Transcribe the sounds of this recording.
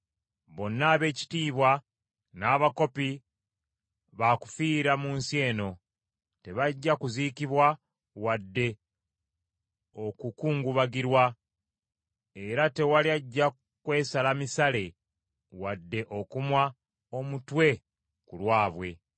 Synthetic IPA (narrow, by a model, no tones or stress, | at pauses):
βo̞nːaːβe̞ːci̥tiːβwa | naːβako̞pi | βaku̥fiːɾamuːnsje̞ːno̞ | te̞βaɟːakuzikiβwa | wadːe̞ | okukuːŋɡuβaɡiɾwa | e̞ɾate̞waliaɟːa | kwe̞ːsalamisale̞ | wadːe̞ʔo̞kumwa | o̞mutwe̞ | kulwaːβwe̞